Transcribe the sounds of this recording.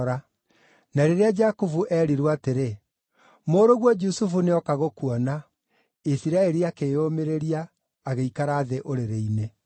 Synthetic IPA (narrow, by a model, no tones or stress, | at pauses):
ɾa | naɾeɾead͡ʒakuvuʔɛːɾiɾwateɾe | moːɾoɣwɔd͡ʒusufuneɔkaɣokuɔna | isiɾaɛɾiakeomeɾeɾiaː | ɣeikaɾaːðeʔoɾeɾeine